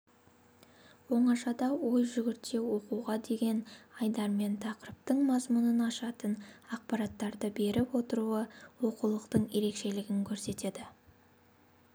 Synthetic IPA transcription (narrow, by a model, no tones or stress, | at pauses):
wo̞ɴɑʃɑd̪ɑwo̞jʒʏɡʲɪɾt̪e̞wo̞quʁɑd̪e̞ɡʲe̞nɑjd̪ɑɾme̞nt̪ʰɑqəɾp̚t̪əɴmɑzmʊnənɑʃɑt̪ənɑq̚pɑɾɑt̪ːɑɾd̪əbe̞ɾɪpwo̞t̪əɾuəwo̞qulˠəqt̪əɴje̞ɾe̞kʃe̞lɪɡʲɪŋkʲʰɵɾse̞t̪e̞d̪ɪ